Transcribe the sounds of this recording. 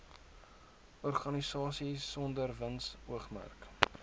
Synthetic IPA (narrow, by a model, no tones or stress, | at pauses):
ʔɔrχɐnisɑːsisɔndərvənsuəχmæ̰rk